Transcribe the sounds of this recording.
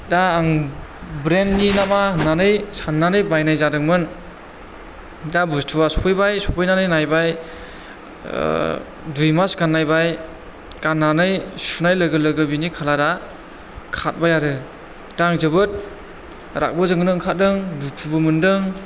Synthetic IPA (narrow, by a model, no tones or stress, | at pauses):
daːŋ | bɾenːinamananɯjsanːanɯjbajnajzadɯŋmɯn | dabustʰuwasɔpʰɯjbajsɔpʰɯjnanɯjnajbaj | dujmasɡanːajbaj | kanːanɯjsunajləɡɯlɯɡɯbinikʰalada | kʰat̚bajaɾɯ | d̥aŋzɯbɯt̚ | ɾa̰k̚bɯzɯŋɯnɯŋkʰat̚dɯŋdutʰubɯmɯndɯŋ